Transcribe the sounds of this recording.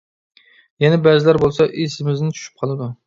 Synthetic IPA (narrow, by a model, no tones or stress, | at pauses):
jɛnɛbɛzɪlæɾbolˠsɑʔesɪmɪznɪt͡ʃʰy̥ʃy̥p̚qʰɑlˠɨd̪u